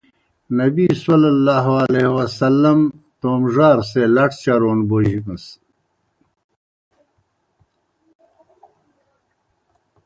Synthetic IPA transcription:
nɐbisɐlɐlːaːɦɐlehwɐsɐlːɐmt̪oːmʐaːɾselɐʈʰt͡ɕɐɾoːnboːɦikə̃s

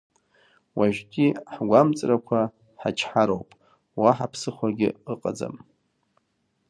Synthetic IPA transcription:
waʒkʲʼiħɡʷamt͡sʼrakʷʰa | ħat͡ʃʰħaɾowpʼ | waħapʰsɨχʷaɡʲɪ̰ɨqʼad͡za̰m

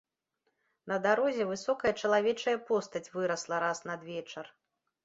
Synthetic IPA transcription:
nɐd̪aɾɔzʲɛvɨsɔkɐjɐt͡ʂɐlˠavʲɛt͡ʂɐjɐpɔst̪ɐt͡sʲvɨɾɐslˠɐɾasnɐd̪vʲɛt͡ʂɐr

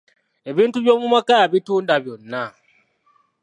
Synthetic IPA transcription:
ebintubomumakajabitundabunːa

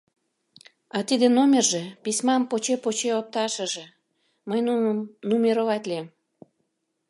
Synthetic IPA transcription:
ɑt̪id̪enomʲerʒepisʲmɑmpot͡ɕepot͡ɕeop̚t̪ɑʃə̆ʒe̽ | məjnunmnumʲeɾovɑt̪lʲiem

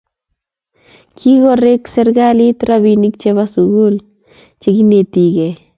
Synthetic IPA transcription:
kʰiɡoɾeksɛɾɡalit̪ɾabinik̚t͡ʃeβasuɡul | t͡ʃeɡinet̪iɡɛ

